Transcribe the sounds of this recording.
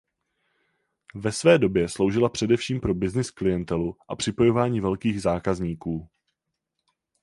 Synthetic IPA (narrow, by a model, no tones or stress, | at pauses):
vɛsvɛːdo̞bjɛslo̞wʒɪlapr̝̥ɛdɛfʃiːmpɾo̞bɪznɪsklɪjɛnt̪ɛluʔapr̝̥ɪpo̞jo̞vaːɲiːvɛlkiːɣzaːkazɲiːkuː